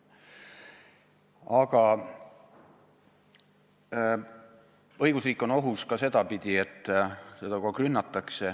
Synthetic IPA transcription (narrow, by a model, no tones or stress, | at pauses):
ɑɡ̥ɑ | ɤjɡ̥usriːkːˑo̞no̞ɦuskɑse̞d̪̥ɑpid̪̥ie̞t̪ːˑse̞d̪ɑkɑkrynːɑt̪ːˑɑkse̞